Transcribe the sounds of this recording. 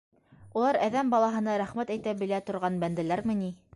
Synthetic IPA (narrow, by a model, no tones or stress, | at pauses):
ulˠɑɾæðæmbɑlˠɑɦɤ̆nɑɾæχmæt̪æjt̪æbɘ̆læt̪ŏɾʁɑnbænd̪ælæɾmɘ̆ni